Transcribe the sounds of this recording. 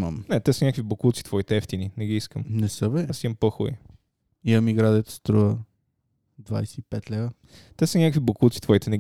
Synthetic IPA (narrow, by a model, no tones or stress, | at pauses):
məmnɛt̪ɛsənʲakvibokulˠt̪si̥t̪vɔit̪ɛɛft̪ininɛɡiiskəmnɛsəbɛasiəmpɤxʊ̰i | iɐmiɡɾad̪ɛət̪ə̥st̪ɾuvə | d̪va̰jsɛipɛt̪lɛvə | t̪ɛsənʲakvʲibokulˠt̪si̥t̪vɔit̪ɛnɛ